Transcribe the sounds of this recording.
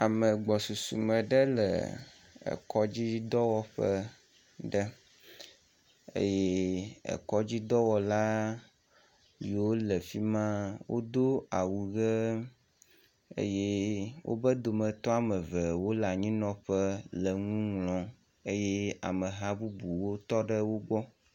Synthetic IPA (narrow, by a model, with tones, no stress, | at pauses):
a˨mə˨ɡ͡bɔ˨su˨sṵ˨mə̃˨ɖə˦lə̰˨ | ə̰˨kɔ˦d͡ʑi˦d̪ɔ˦wɔ˦ɸə˦ | ɖə˦ | ḛ˦jɛ˦ə̰˨kɔ˦d͡ʑi˦d̪ɔ˦wɔ˨la˦ | li˨wo˦lə˨fi˦mã˦wʔo̰˦d̪o˦a˨wu˨ɡə˦ | ḛ˦je˦wʔo̰˦bə˦d̪o˨mə̃˨t̪ɔ˦a˨mə̃˨və˨wo˦la˨ɲĩ˦nɔ̃˨ɸə˦lə˨ŋũ˦ŋlɔ̃˨ | e˦jɛ˦a̰˨mə˨ɦa˦bu˦bu˨wo˦t̪ɔ˦ɖə˦wo˦ɡ͡bɔ˦